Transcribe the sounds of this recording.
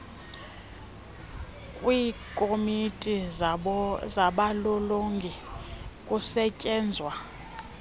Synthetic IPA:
kʼwiːkʼomitʼi | zaɓalɔloŋɡʱikʼusɛcʼɛːnd͡zʱwa

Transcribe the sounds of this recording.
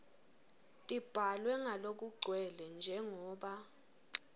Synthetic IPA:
tʼib̥ʱalwɛŋalok̬uɡ͡ǀʱwɛlɛnd͡ʒʱɛŋɔːɓa

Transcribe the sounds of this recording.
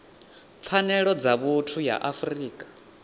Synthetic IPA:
p̪fʰanɛɺɔd͡zaβutʰuja̰ʔafriːkʼḁ

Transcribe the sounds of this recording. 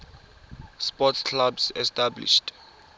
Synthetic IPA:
spɔtskʰlabsɛstablḭʃt

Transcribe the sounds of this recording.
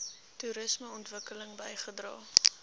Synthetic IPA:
tuɾəsməɔntvəkələŋbəjχədrɑː

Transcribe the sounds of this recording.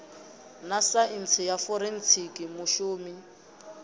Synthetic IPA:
nasaint͡sʰɪjafɔɾen̩t͡sʰikʼimʊʃuːmi

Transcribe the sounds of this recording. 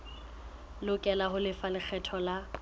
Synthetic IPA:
lʊkʼɛlaɦʊlɪfalɪk͡xʰɛtʰɔla

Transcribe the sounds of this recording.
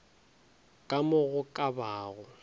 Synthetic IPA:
kʼamʊɣʊkʼabaːɣʊ

